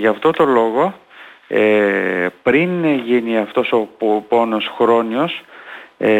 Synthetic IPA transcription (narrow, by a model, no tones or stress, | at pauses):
ʝɐft̪o̞t̪o̞lo̞ɣo̞e | pɾinʝiniɐft̪o̞so̞ppo̞no̞sxɾo̞nio̞s